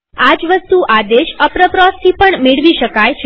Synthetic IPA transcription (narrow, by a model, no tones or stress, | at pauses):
ad͡ʒʋəst̪uʔad̪eʃəpɾəpɾɔst̪ʰipəɳmeɭʋiʃəkajt͡ʃʰ